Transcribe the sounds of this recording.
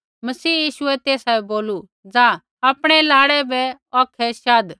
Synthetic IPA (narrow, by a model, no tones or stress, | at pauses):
mɐsiːjiːʃʊɛt̪eːsaːboːlu | d͡zaː | aːpɽ̃ɛlaːɽɛbɛɔːkʰɛʃaːd̪